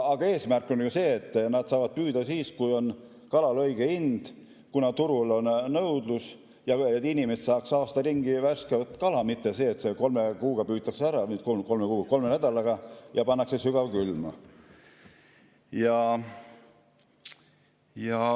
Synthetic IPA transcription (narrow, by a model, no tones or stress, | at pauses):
ɑɡ̥ɑe̞ːsmærkːˑo̞njuse̞ːt̪ːnɑd̪̥sɑːvɑd̪̥̚pyːd̪̥ɑsiːskujo̞n | kɑlɑlɤ̞jɡ̥eind̪̥ | kunɑt̪uɾulo̞nːɤwd̪lus | jɑet̪ːinʲimest̪sɑːksɑːst̪ɑriŋɡ̥ivæskevɑt̪kɑlɑmit̪ːese̞ːt̪se̞ko̞lmekuːɡ̥ɑpyːt̪ːˑɑkseæɾɑt̪koko̞lmekuːɡko̞lmenæd̪̥ɑlɑɡ̥ɑjɑpɑnːɑksesyɡ̥ɑvkylmɑ̰ | jɑ | jɑ